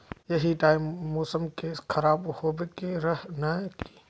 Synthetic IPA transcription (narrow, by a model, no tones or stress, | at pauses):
jɐɦiʈaːɪmːoːsəmkeːskʰɐɾaːbhoːbekeɾɐɦnaki̥ː